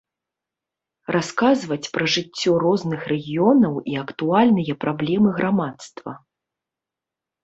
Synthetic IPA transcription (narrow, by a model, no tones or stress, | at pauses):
rʔaskazvɐt͡sʲpɾɐʐɨt͡sʲːɔrɔznɨxrɛɣʲijɔnɐwiɐkt̪ualʲnɨjɐpɾʔablʲɛmɨɣɾʔamat̪st̪vɐ̰